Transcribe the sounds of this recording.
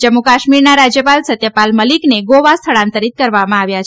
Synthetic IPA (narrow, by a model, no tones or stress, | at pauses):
d͡ʒəmːukaʃmiɾnaɾad͡ʒjəpalsət̪jəpalməlikneɡoʋast̪ʰəɭãnt̪əɾit̪̚kəɾʋamãaʋjat͡ʃʰ